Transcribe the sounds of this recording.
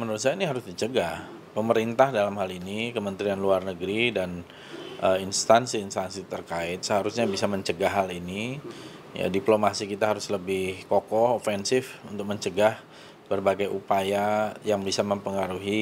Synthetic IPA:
mənuɾʊt̪sajiniɦaɾʊsdit͡ʃəɡah | pəməɾint̪ahdalamɦalinikəmənt̪ɾianluarnəɡɾidan | ʔəinst̪ansiːnst̪ansit̪ərkaɪt̪̚səɦaɾusɲabisaməɲt͡ʃəɡaɦalini | ja̰diplomasikit̪aɦaɾʊsləbɪhkokɔhofɛnsɪfunt̪ʊk̚məɲt͡ʃəɡah | bərbaɡajʔupajajaŋbisaməmpəŋaɾuɦi

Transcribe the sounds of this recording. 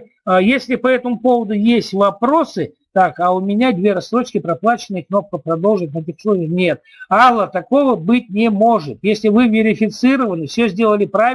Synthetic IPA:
əjesʲlʲɪpɐɛt̪əmʊpo̞vəd̪ʊjesʲtʲvɐpɾo̞sɨ | t̪akaʊmʲɪnʲad̪ʲvʲe̞ɾɐst̪ɾo̞t͡ɕkʲɪpɾɐplˠat͡ɕɪnɨjəkno̞p̚kəpɾɐd̪o̞lˠʐɨt̪̚ʲnɐɛtʲɪxsonʲənʲe̞t̪̚alˠːət̪ɐko̞vəbɨtʲnʲɪmo̞ʐɨt̪jesʲlʲɪvɨvʲɪɾʲɪfʲɪt̪sɨɾəvənɨfsʲɵzʲdʲe̞lˠəlʲɪpɾa

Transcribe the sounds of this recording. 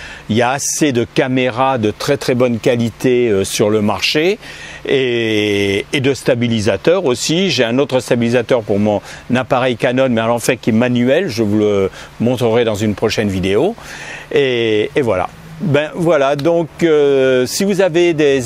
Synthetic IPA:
iljaːsed̪əkameʁad̪ət̪χɛt̪χɛbɔnkʲalit̪eøsyʁləmaʁʃeeː | d̪əst̪abilizat̪œʁosiʒeɛ̃not̪χəst̪abilizat̪œʁpuʁmɔ̃napaʁɛjkanɔnmɛalɑ̃fɛ̃kʲiɛmanyɛlʒəvuləmɔ̃t̪χəʁɛd̪ɑ̃zynpχɔʃɛnvid̪eo | eːvwala̰ | bɛ̃vwalad̪ɔ̃køsivuzaved̪e

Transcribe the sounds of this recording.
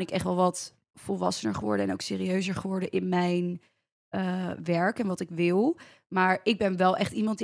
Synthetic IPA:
nɪkɛχtʋɛlˠʋɑt | fɔlˠʋɑ̰sənəɹχəʋɔ̰ɹdəɛnowkseːɾiøɥzəɹχəʋɔɹdəʔɪnmɛjn | əʋɛɹkɛnʋɑtɪkʋɪlˠ | maːɹɪɡ̚bɛnʋɛlˠʔɛχtimɑnt

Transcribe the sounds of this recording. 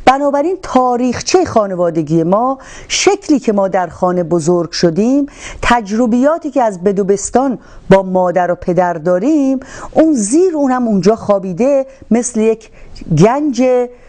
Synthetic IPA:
b̥ænɒːbæɾiːnt̪ʰɒːɾiːxt͡ʃʰejxɒːne̞vɒːd̪eɡiːje̞mɒː | ʃekʰliːcʰe̞mɒːd̪æɾxɒːne̞bozoɾɡ̥ʃod̪iːmt̪ʰæd͡ʒɾobijɒːt̪ʰiːceæzbe̞d̪obe̞st̪ɒːn | bɒːmɒːd̪æɾopʰe̞d̪æɾd̪ɒːɾimuːnziːɾuːnhæmund͡ʒɒːxɒːbiːd̪e̞me̞slejekʰɡænd͡ʒe

